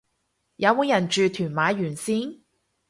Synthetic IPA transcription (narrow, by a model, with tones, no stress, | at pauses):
jɐ˨˥wmuː˨˥njɐ˨˩nt͡ʃyː˨˧t̪ʰyː˨˩nmaː˨˧˥jyː˨˩nsiː˥n